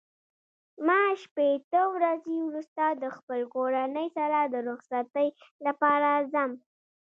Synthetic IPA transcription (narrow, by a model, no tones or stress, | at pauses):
mɑʃpet̪əwɾazewɾust̪ad̪əxpəlkoɾanəjsaɾad̪əɾʊxsat̪əjlapɑɾazam